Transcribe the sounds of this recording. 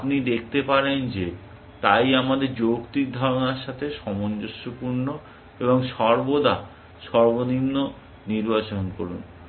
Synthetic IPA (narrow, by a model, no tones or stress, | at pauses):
apnid̪ekʰt̪epaɾend͡ʑe | t̪ajamad̪eɾd͡ʑokt̪ik̚d̪ʱɔɾonaɾʃat̪ʰeʃɔmond͡ʑoʃopuɾno | eboŋʃɔɾbod̪a | ʃɔɾbonimno | niɾbat͡ɕonkoɾun